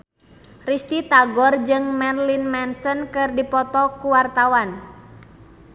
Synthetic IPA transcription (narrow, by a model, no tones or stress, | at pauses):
rist̪it̪aɡɔrd͡ʒɨŋmɛrlinmɛnsənkɨrdipɔt̪ɔkuwart̪awan